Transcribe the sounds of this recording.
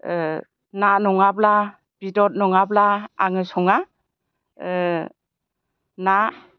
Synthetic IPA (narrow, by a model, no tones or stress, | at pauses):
nanɔŋabla | b̥idɔt̚nɔŋablaa̰ŋɯsɔŋa | na